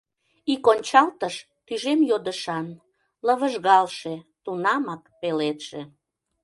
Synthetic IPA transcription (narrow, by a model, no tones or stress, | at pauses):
ikonʲt͡ɕɑlt̪əʃ | t̪yʒemjod̪əʃɑn | ləβəʒɣɑlʃet̪unɑmɑkpelet̪ʃe